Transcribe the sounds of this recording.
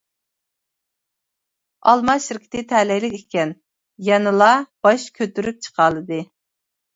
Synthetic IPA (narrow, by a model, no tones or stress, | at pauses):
ɑlˠmɑʃɪɾkʲi̥t̪ɪt̪ʰɛlɛjlɪkʲɪkʲɛn | jɛnɨlˠɑb̥ɑʃkʲʰøt̪yɾyp̚t͡ʃʰə̥qʰɑːlˠɨd̪ɨ